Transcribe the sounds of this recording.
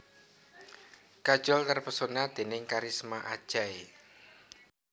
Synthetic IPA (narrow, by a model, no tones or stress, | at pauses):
kad̥ʒ̥ɔlt̪ərpəsonad̪̥e̤nɪŋkaɾismaʔa̰d̥ʒ̥ae